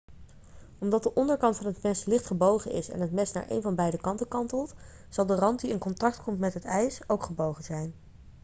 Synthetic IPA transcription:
ɔmdɑt̚dəʔɔndəɹkɑntfɑnɦətmɛslɪχtχəbowχəʔɪ̰sɛ̰nɦətmɛsna̰ːɹʔḛjnvɑnbɛjdəkɑntəkɑntəlˠt | z̥ɑlˠdərɑnt̚diɪnkɔntɑktkɔmtmɛtɦətɛjsowkχəbowχənzɛjn

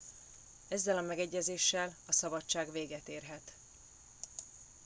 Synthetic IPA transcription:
ɛzːɛlɒmɛɡɛɟːɛzeːʃːɛlɒsɒbɒt͡ʃːaːɡveːɡɛt̪eːrɦɛt̪

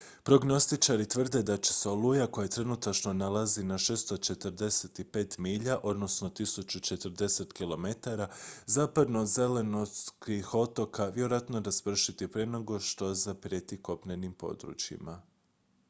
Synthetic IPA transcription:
pɾo̞ɡno̞st̪it͡ʃaɾit̪ʋr̩d̪e̞d̪at͡ɕe̞̥seolˠujako̞jat̪ɾenut̪at͡ʃno̞nalazinaʃeːst̪o̞t͡ʃe̞t̪rd̪e̞set̪ipe̞ːt̪miːʎaʔo̞d̪no̞sno̞t̪isut͡ʃut͡ʃe̞t̪rd̪e̞se̞t̪kilˠo̞me̞t̪aɾazaːpad̪no̞d̪ze̞le̞noskixo̞t̪o̞kʰaʋjeɾojat̪no̞ɾaz̥pr̩ʃit̪ipɾenoɡo̞ʃt̪o̞zapɾjet̪iko̞pnenimpo̞̰d̪ɾṵt͡ʃjḭma

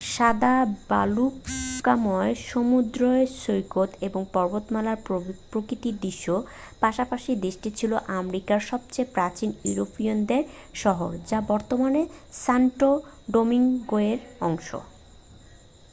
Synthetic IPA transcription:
ʃad̪aba̰lukamɔeʃomud̪ɾoeʃojkot̪eboŋpɔɾbot̪malaɾpɾokɾit̪id̪iʃːopaʃapaʃid̪eʃʈit͡ɕʰiloʔamɾikaɾʃɔb̚t͡ɕejpɾat͡ɕinjṵɾopiond̪eɾʃɔɦo̰ɾd͡ʑabɔɾt̪omanesaɳʈoɖomiŋɡoeɾɔŋʃo̰

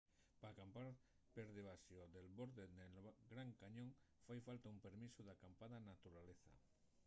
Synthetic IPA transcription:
paːkampaɾ | peɾðeβ̞asjoðe̞lβo̞ɾðeðelɡɾaŋkaɲõŋ | fajfalt̪aumpe̞ɾmisoðakampaðanat̪uɾaleθa̰

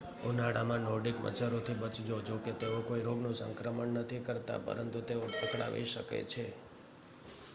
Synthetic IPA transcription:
onaɽamãnoɖikmə̰t͡ʃəɾot̪ʰibət͡ʃd͡ʒod͡ʒoket̪eokoiɾoɡnũsə̰ŋkɾəməɳːət̪ʰikəɾt̪a̰pə̰ɾənt̪ut̪eopəkɭa̰ʋḭʃəkḛt͡ʃʰe

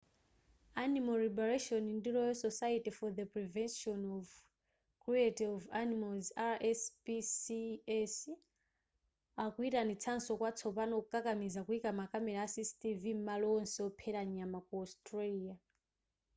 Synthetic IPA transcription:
animalɾibɛɹaʃɔnindiɾɔjɔsɔsaitifɔðəpɹivɛnʃɔnɔv | kɾietiɔvanimalzaɛspisiɛs | akuitanit͡sʰansɔkwat͡sʰɔpanɔkukʼakamizakuikamakamɛɾaasistivim̩malɔɔnsɛɔpʰɛɾaɲamak̚uɔstɾelia

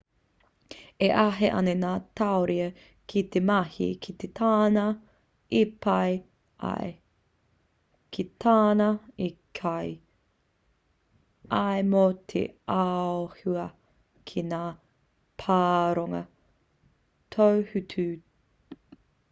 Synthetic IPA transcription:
eʔɐɦḛʔɐ̰nenaːt̪aoɾiɐ | kʰit̪emɐhḭkʰit̪et̪ʰaːnɐ | ipɐj | ʔɐ̰e | kʰit̪ʰaːnɐikʰaj | aemot̪ʰḛaohuɐ | kʰinaː | pʰaːɾoŋɐ | t̪ʰowhʉtʰʉ

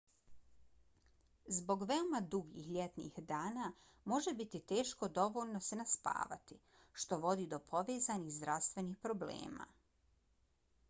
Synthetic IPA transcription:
zbo̞ɡʋeomad̪uɡḭxʎʲet̪nḭxd̪aːna | mo̞ʒe̞bit̪it̪e̞ːʃko̞d̪o̞ʋo̞ːlno̞se̞naspa̰ːʋa̰t̪i | ʃt̪o̞ʋo̞d̪iːd̪o̞pʰo̞ʋeːzanihzd̪ɾaʋst̪ʋe̞niːxpɾo̞blḛːma̰

